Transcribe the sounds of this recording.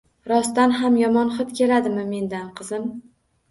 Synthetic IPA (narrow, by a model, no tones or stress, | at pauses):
ɾɒst̪anɦamjɒmɒnχɨt̪kʲʰe̞lad̪ɪmɪme̞nd̪anqʰɨzɪm